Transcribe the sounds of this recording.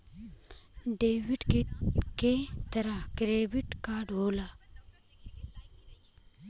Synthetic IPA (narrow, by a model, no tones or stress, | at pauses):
ɖeːʋiʈkket̪ɐɾakɾeːbiʈkaːɖɦoːla